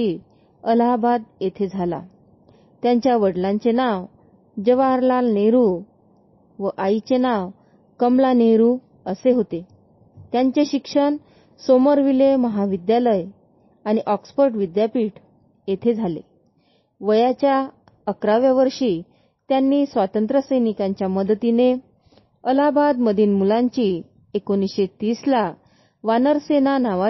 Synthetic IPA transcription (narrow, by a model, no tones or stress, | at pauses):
i | əlabad̪jet̪ʰed͡zʱala̰ | t̪jaɲt͡ɕjaʋəɽlãɲt͡senaʋ | d͡ʑəʋaɾlalneɾu | ʋəʔait͡ɕenaʋ | kəmlaneɾu | əseɦot̪e | t̪jaɲt͡ɕeɕikʂəɳ | soməɾʋileməɦaʋid̪jaləj | añiʔɔksfəɾʈʋid̪japiːʈ | jet̪ʰed͡zʱalḛ | ʋəjat͡ɕja | əkɾaʋjaʋəɾʂiː | t̪janːiːsʋat̪ənt̪ɾəsəjnikãɲt͡ɕjaməd̪t̪ine | əlabad̪məd̪ʱiːnmulãɲt͡ɕiː | ekonisɕet̪iːsla | ʋanəɾsenanaʋa